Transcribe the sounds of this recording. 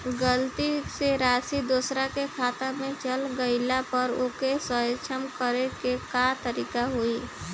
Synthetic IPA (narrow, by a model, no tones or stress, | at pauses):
ɡəlt̪iseɾasid̪osɾakekʰat̪amẽt͡ʃəlɡəɪlapəɾokesət͡ʃʰəmkəɾekekat̪əɾikaɦui